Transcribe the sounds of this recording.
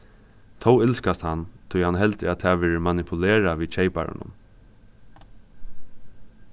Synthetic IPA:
t̪ʰɔwɪlskast̪hant̪ʰʊjhanɦɛlt̪ɪat̪ʰɛːʋɛːɹɪmanɪpʰʊleːɾaʋiːt͡ʃʰeɪpa̰ɹɪ̰nʊ̰m

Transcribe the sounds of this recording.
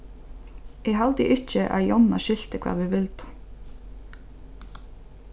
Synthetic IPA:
ɛːɦalt̪ɪ̰ʔɪcəʔa̰jɔnaʃɪlt̪əkʰv̥ɑ̰ːʁʋɪʋɪlt̪

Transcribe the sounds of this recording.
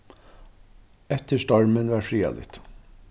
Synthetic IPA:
ɛt̪ʰəʂtɑɹmənʋæːɾfɾiːɑ̰lɪ̰t̪

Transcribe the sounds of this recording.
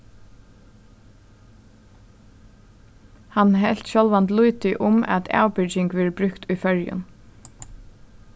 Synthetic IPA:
hanɦɛl̥t̪ɕɔlʋant̪lujt̪ɪʔʊmæ̰t̪ʰa̰ːwpɪt͡ʃɪŋkʋɛːɹbɾʏkt̪ʊjfœɹjʊ̰n

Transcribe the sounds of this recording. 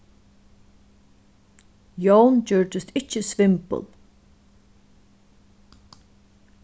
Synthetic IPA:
jownt͡ɕʏɹd̪ɪst̪ɪt͡ʃːəsvɪmpə̰lˠ

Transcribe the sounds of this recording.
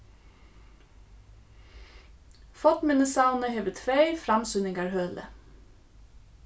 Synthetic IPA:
fɔt̪mɪnəsɑʊnəheːʋət̪ʰʋeɪfɾɑmsʉnɪŋɡɑɹhøːlə̰

